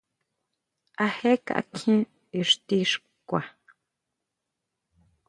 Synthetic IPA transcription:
a˧he˦ka̰˨ʔa̰˧kʰĩ˦ | i˧ʂt̪i˧ʂ | kʷa˨

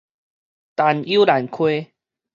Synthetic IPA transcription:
t̪a˨˧ni˦la˨˦nkʰwe˦

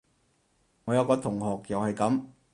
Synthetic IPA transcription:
ŋɔː˨˧jɐ˨˧wkɔː˧t̪ʰʊ˨˩ŋɦɔː˨k̚jɐ˨whɐ˨jkɐ˨˥m

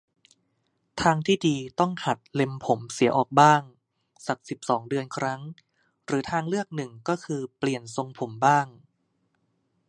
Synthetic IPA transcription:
t̪ʰaː˧ŋt̪ʰiː˥˩diː˧t̪ɔ˥˩ŋha˨˩t̪̚le˧mpʰo˩˦msi˩˦ɐʔɔː˨˩k̚baː˥˩ŋ | sa˨˩k̚si˨˩p̚sɔː˩˦ŋdɯ˧ənkʰɾa˦˥ŋ | ɾɯː˩˦t̪ʰaː˧ŋlɯ˥˩ək̚nɯ˨˩ŋkɔː˥˩kʰɯː˧pli˨˩ənso˧ŋpʰo˩˦mbaː˥˩ŋ

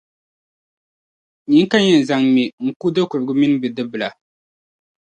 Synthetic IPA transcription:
ɲi˨˦ŋ˦ka˦ɲɛ˨n̩˨za˨ŋmi˨ŋ̩˨ku˦dɨ˦kʊ˨ɾɨ˨ɡɨ˦mi˦n˦bɨ˨dɨ˦bɨ˨la˨

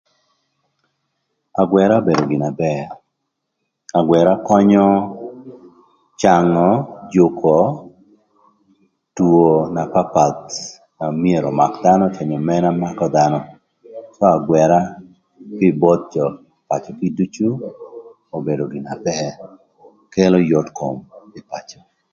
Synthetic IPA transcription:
a˨ɡwɛ˨ɾa˦o˦be˨do˨ɡɪ˨na˨bɛ˦˨ | a˨ɡwɛ˨ɾa˦kɔ˦ɲɔ˦ | t͡ʃa˨ŋɔ˨d͡ʒu˨kʰɔ˨ | tuo˨na˨pa˦pa˨t̪ | ma˨mie˨ɾɔ˨ma˨kd̪a˦nɔ˦te˨ɲɔ˨mɛ˦na˦ma˦kɔ˦d̪anɔ˦ | sɔ˦a˨ɡwɛ˨ɾa˦ | pɪ˦bɔ˦t̪̚d͡ʒɔ˨ | pa˨t͡ʃɔ˨ki˦du˦t͡ʃu˦ | o˨be˨do˨ɡɪ˨na˨bɛ˦ | ke˦lɔ˦jɔ˦tko˨mɪ˨pa˨t͡ʃɔ̥˨

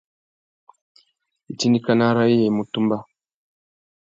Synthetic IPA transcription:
i˨ti˦ni˦ka˦na˦ɾa˦i˦je˨i˨mu˨tu˦mba˦

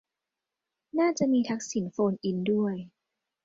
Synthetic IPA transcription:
naː˥˩t͡ɕa˨˩ʔmiː˧t̪ʰa˦˥k̚si˨˩˦nfoː˧nʔi˧˦ndu˥˩əj

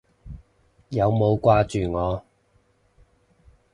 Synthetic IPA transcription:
jɐ˨˧wmo˨˧wkʷwaː˥t͡ʃyː˨ŋɔː˨˧

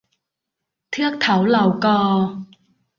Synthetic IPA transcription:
t̪ʰi˥ək̚t̪ʰɐ˨˩˥wlɐ˨˩wkɔː˧

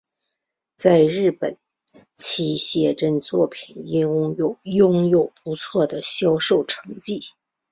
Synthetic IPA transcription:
t͡sa˥˧ɪɻɻ̩˥˩pə˨˩˦n | t͡ɕʰi˥ɕjɛ˥˧ʈ͡ʂə˥nt͡swɔ˥˩pʰi˨˩ni˥o˨˩ʊjʊ˥ŋjo˨˩ʊpu˧˥t͡sʰwɔ˥˩d̪ə˩ɕjɑ˥ʊʂo˥˩ʊʈ͡ʂʰɤ˧˥ŋt͡ɕi˥˩

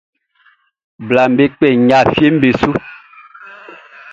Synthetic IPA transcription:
bla˨m̩˨be˦k͡pɛ˨ɲa˦˨fje˦m̩˦be˨su˦

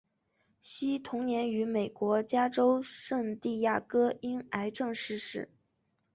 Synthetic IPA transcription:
ɕi˥t̪ʰʊ˧˥ŋnjɛ˧˥ny˧˥me˨˩ɪkwɔ˧˥t͡ɕja˥ʈ͡ʂo˥ʊʂɤ˥˧ŋt̪i˥˧ja˥˩kɤ˥i˥na˧˥ɪʈ͡ʂɤ˥˧ŋʂɻ̩˥˧ʂɻ̩˥˩

